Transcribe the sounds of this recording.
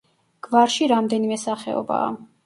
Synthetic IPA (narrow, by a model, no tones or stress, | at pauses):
ɡ̥vaɾʃiɾamd̪ɛnimɛsaχɛ̰ɔ̰ba̰ː